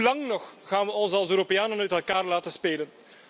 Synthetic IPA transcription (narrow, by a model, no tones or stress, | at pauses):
lɑŋnɔxɣaːnʋəɔnsɑlˠsøːɾopejaːnənœɥtɛlˠkaːrlaːtənspeːlən